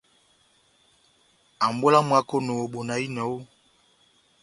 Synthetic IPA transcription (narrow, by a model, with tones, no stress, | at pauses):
a˨mbo˦la˦mwa˦ko˦no˨o˨ɓo˨na˨i˦nɔ˨˦o˦